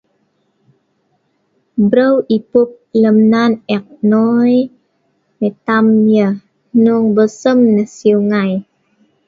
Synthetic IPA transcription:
bɾəwipup̚ləmnanɛk̚nɔj | met̪amjə | nuŋbəsəmnəsiuŋaj

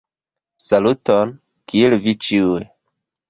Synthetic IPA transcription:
saluton | kielvit͡ʃiue

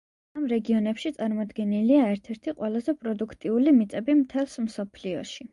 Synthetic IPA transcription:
amɾɛɡiɔnɛpʃit̪sʼaɾmɔd̪ɡɛniliaɛɾt̪ʰɛɾt̪ʰiqʼwɛlˠazɛpʼɾɔd̪ukʰt̪ʼiulimit̪sʼɛbimt̪ʰɛlˠsmsɔpʰliɔʃi

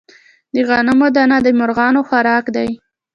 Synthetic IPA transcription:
d̪əɣɑnamod̪anad̪əmʊɾɣɑnoxaɾɑkd̪aj

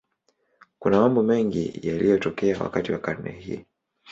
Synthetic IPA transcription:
kunamambɔmɛŋɡḭjalʔijɔtɔkɛawa̰katiwakaɾnɛ̰hḭ

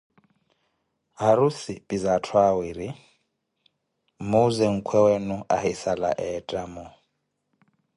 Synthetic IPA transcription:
ɦaɾusipʼizatʰwawiɾi | mozɛŋ̩kʰwɛwɛnuʔahisala̰ʔɛtʼamɔ

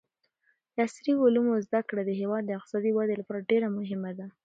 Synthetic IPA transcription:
asɾiʊlumozd̪akɽad̪əɦewɑd̪̚ːəɪq̚t̪ɪ̥sɑd̪iwɑd̪elapɑɾaɖeɾamʊɦɪmad̪a

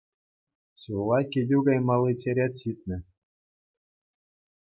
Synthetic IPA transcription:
ɕulˠɑkʲedʲuɡɑjmɑlˠːit͡sʲeɾʲet̪ʲɕit̪̚ʲnʲɘ̆

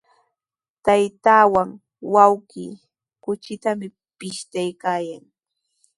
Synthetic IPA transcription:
t̪ajt̪aːwaŋ | wawkiː | kʊt͡ʃɪt̪amɪ | pɪʃt̪ajkaːjaŋ

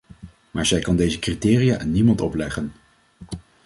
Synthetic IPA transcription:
maːɹzɛjkɑndejzəkritɪːrijaːʔanːimɑntɔplɛχən

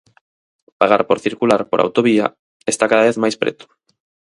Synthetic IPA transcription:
paɣaɾpoɾθiɾkulaɾpoɾʔa̰wt̪oβia̰ | est̪akaðaβeθmajspɾḛt̪ʊ̥

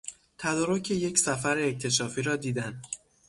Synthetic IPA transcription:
t̪ʰæd̪ɒːɾocʰeje̞csæfæɾeːc̚t̪ʰe̞ʃɒːfiːɾɒːd̪iːd̪æn

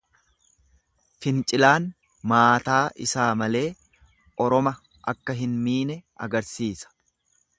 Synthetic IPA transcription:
fɪnt͡ʃʼɪlaːn | maːt̪aːʔɪsaːmɐle̞ː | ʔɔɾɔmɐ | ʔɐkːɐɦɪnmiːnɛʔɐ̰ɡɐɾsiːsɐ̥

